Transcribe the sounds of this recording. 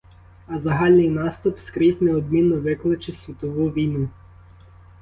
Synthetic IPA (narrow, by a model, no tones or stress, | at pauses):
ɐzɐɦɑlʲnɪjnɑst̪ʊpskɾizʲnɛɔb̪mʲinːɔʋɪklˠɪt͡ʃɪsʲʋʲit̪ɔʋuʋʲijnu